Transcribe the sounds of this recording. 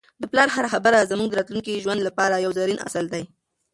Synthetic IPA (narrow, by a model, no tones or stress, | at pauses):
d̪əplɑɾhaɾaxabəɾazamuɡd̪əɾɑt̪luŋkiʒwand̪lapɑɾajawzaɾinʔa̰səld̪aj